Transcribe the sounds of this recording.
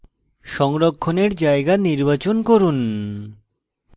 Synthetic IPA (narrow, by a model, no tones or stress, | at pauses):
ʃɔŋɾokʰːoneɾd͡ʑaeɡaniɾbat͡ɕonkoɾun